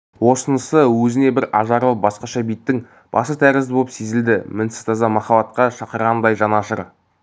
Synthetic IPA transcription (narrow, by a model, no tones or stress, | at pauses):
wo̞sənəsəwɵzɪne̞bɪɾɑʒɑɾəlˠbɑsqɑʃɑbijt̪ːɪŋ | b̥ɑ̰sət̪ʰæɾɪzɪbolˠəpsezɪld̪ɪmɪnsɪ̥st̪ʰɑzɑmɑχɑbɑt̪̚qɑʃɑqəɾʁɑnd̪ɑjʒɑnɑʃəɾ